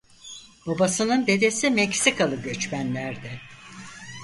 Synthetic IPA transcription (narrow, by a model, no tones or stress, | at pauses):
babasɯnɯnd̪e̞d̪e̞simɛcsikʰalˠɯɟø̞t͡ʃmænlʲæɾd̪ɛ